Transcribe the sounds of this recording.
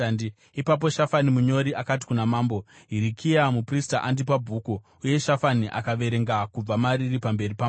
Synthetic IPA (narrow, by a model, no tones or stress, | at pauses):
i | ipap̬o̞ʃafanimuɲo̞ɾiʔakat̬i̥kunamaːmbo̞ɦiɾikʰiamupristaʔandipabʱuːku | uje̞ʃafaniʔa̰kaʋe̞ɾe̞ŋɡakub͡vamaɾiripambe̞ripam